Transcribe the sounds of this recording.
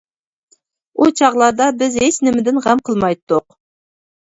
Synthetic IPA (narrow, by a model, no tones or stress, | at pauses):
ut͡ʃʰɑʁlˠɑɾd̪ɑbɪzet͡ʃnɪmɪd̪ɪnʁæmqʰəlˠmɑjt̪ːʊq